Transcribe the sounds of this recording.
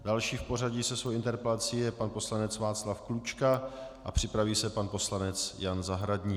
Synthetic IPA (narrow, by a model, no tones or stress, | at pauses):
dalʃiːfpo̞raɟisɛsvowʔɪnt̪ɛɾpɛlat͡siːjɛpanpo̞slanɛt͡svaːt͡slafklut͡ʃkaʔapr̝̥ɪpɾaviːsɛpanpo̞slanɛt͡sjanzaɦɾadɲiː